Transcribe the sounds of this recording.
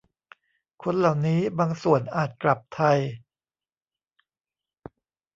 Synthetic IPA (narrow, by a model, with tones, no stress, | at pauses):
kʰo˧nla˨˩wniː˦˥baː˧ŋsu˨˩ənʔaː˨˩t̪̚kla˨˩p̚t̪ʰa˧j